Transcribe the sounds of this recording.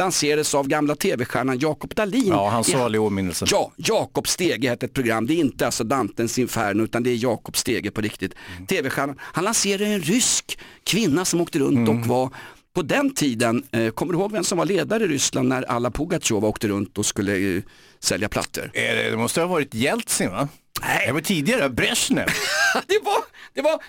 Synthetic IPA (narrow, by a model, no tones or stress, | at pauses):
lanseːɾad̪əsavɡamlat̪ʰeːvɛɧæːɳanjɑːkɔpd̪aliːnhansɑlɪomɪnːəlsəjɑːjɑːkɔpst̪eːɡəhɛːt̪ːɛt̪̚pʰɾʊɡɾamːd̪ɛɾɪnt̪əalsɔd̪amt̪ənsɪnfæ̰ːɳʉ̟ːt̪and̪ɛæɾjɑːkɔpst̪eːɡəpʰɔɾɪk̚t̪ɪt̪ʰːeːvɛɧæːɳanhanlanseːɾad̪ɛnɾʏskʰːvɪnːasɔmoːkt̪əɾɵnt̪ɔkvapʰɔd̪ɛnt̪ʰiːd̪ənkʰɔmːəɾɪhoːɡvɛmsɔmvaɭeːd̪aɾəɪɾʏslannːæɾa̰lːapʰʊɡat͡ʃoːvaoːkt̪əɾɵnt̪ɔskɵlːə | sɛljapʰla̰t̪sə̰ɾɛɛd̪ɛmɔst̪əɛhavɑːɾɪt̪jɛlt̪sɪnva | æd̪avaʈʰiːd̪ɪɡaɾəbɾɛʂnɛ̰d̪ɛvad̪̥ɛva